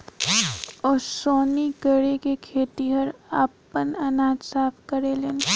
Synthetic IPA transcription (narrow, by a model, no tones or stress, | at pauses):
ɔːɾsoːniɡəɽekekʰeːt̪iɦəɾaːpənɐnaːd͡ʒsaːpʰkəɾeːleːn